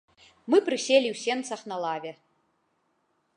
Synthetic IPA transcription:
mɨpɾɨsʲelʲiwsʲɛnt̪saχnɐlˠavʲɛ

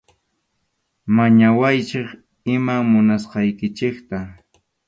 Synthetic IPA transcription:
maɲawajt͡ʃɪχ | ɪmamʊnasqɑjkɪt͡ʃɪkt̪a

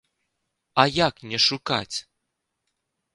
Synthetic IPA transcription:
ajaknʲɛʃuka̰tʲ

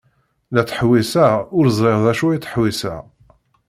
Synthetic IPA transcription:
læt͡sːə̥ħwisæʊɾzˤɾˤeʁðæʃujit͡sːə̥ħwisæ̰

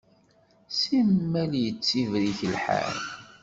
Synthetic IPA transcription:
simːæljət͡sːivɾiçəlħæ̰n

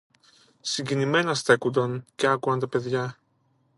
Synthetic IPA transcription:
siɲɟinime̞nɐst̪e̞kund̪ɐnce̞ɐkuɐnt̪ɐpe̞ðʝɐ

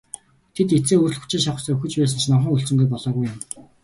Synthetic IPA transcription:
t̪ʰet̪et͡seːɵːr̆ɮxu̥t͡ɕɪ̆ŋʃaχə̆sɔːuxɘ̆t͡ɕpæːs̬ə̆nt͡ɕʰnɔwχə̆ŋuɬt͡sɘ̆mɡ̪uːpɔɮɔːɣujʊ̆m

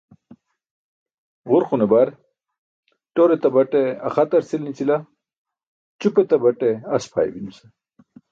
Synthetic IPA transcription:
ʁuɾxunebaɾ | ʈoɾet̪ɐbɐʈeɐ̰χɐt̪ɐɾsilnit͡sila | t͡ɕupet̪ɐbɐʈeɐspʰa̰ːj̰binuse

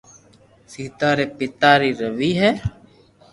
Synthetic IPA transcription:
siːt̪aːɾeːpɪt̪aːɾiːɾəʋiːɦɛː

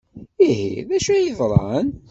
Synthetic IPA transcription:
ihḭðæʃæjiðˤɾˤɑn

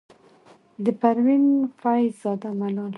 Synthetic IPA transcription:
d̪əpaɾwinfajzɑd̪amalɑl

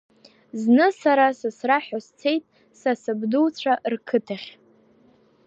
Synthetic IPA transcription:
znɨsaɾasɨsraħast͡sʰe̞jtʼ | sasɨbduwt͡sʷʰaʔrkʰɨtʰaχʲ

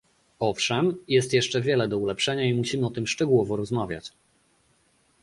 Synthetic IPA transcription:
ɔfʂɛmjɛst̪jɛʂt͡ʂɛvʲjɛlɛd̪ɔulɛpʂɛɲaimuɕimɘɔt̪ɘmʂt͡ʂɛɡuwɔvɔɾɔzmavʲja̰t͡ɕ

